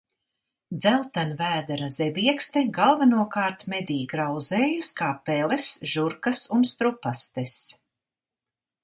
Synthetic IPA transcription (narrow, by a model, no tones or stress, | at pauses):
d̪zælˠt̪anvæːd̪aɾaz̥ɛbiɛkst̪eɡalˠvanuɔkaːɾt̪mɛd̪iːɡɾawzeːjuskaːpɛlesʒuɾkasunst̪ɾupast̪es